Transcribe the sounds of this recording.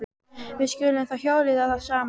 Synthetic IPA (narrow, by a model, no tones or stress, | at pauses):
vɪðskʏːlɪmθaçjoːwlɪðaðaðsaːm